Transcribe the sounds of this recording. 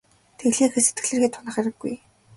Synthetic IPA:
t̪ʰeɮeːxĕːset̪ɡɘ̆ɮɘ̆rxeːt̪ʰʊnə̆χæɾɘ̆ɡːuj

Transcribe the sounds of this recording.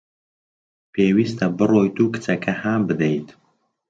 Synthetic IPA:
pʰeːwiːst̪ʰɐbɨroːjt̪uːkɨ̥t͡sɐkʰɐhaːmbɨd̪ejt̪

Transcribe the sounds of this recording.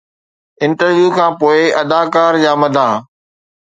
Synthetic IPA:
ɪ̃nɳʈəɾʋjuːkʰãːpoːɪʔɐd̪aːkaːɾd͡ʑaːmɐd̪ʱãː

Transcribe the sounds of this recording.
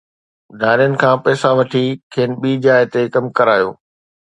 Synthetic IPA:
dʱaːɾijənɪ̆kʰãːpɛːsaʋɐʈʰikʰeːnɓiːd͡ʑaːɪt̪ekɐmkɐɾaːjo̰ː

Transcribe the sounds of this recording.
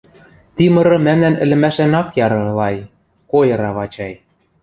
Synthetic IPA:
t̪imɤ̆ɾɤ̆mæmnænɘ̆lɘ̆mæʃænɑkjɑɾɤ̆lɑj | kojɤ̆ɾɑβɑt͡ɕɑj

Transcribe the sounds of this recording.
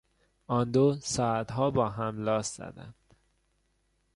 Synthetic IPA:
ɒːnd̪oːsɒːæt̪ɦɒːbɒːɦæmlɒːszɒ̰d̪æ̰nd̪̥

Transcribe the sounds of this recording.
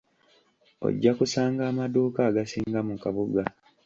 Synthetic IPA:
o̞̰ɟːakusaːŋɡaːmaduːkaːɡasiːŋɡamukaβuɡa

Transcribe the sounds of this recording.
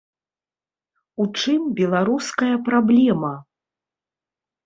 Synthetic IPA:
ut͡ʂɨmbʲɛlˠaɾuskɐjɐpɾablʲɛmɐ

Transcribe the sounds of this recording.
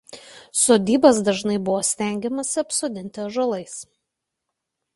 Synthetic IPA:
soːd̪ʲiːbɐsd̪ɐʒnɐɪbʊʋoːsʲt̪ʲæˑŋʲɡʲɛmɐsʲɪɐpsoːd̪ʲɪnʲt̪ʲɪɐʒɐlˠɐɪs

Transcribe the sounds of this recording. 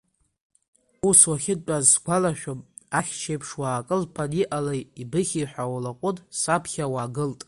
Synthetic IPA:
uswaχʲɪd̚t͡pʷʼazɡʷalaʃᶣʊm | aχʲt͡ʃʰejpʰʂwaːkʼɨlpʰaniʔalajibɨχʲiħʷᶣawalaqʷʼʊtʼsapʰχʲawaːɡɨltʼ

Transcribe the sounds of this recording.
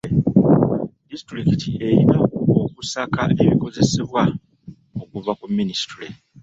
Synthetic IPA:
distɾikitʰie̞ɾinaokusakaʔe̞βiko̞ze̞seβwa | okuvakumːinisi̥tuɾi

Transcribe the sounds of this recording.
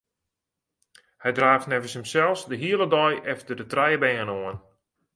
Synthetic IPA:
hɛjdraːftnɛvənshəmsɛlˠfsdəɦiələdɔjʔɛftərdətrɛjəbɛːənoən

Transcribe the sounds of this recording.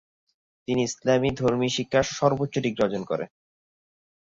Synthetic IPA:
t̪iniislamid̪ʱoɾmiʃikʰːaɾʃɔɾbot̪ːɕoʈiɡɾɔd͡ʑonkɔ̰ɾḛn

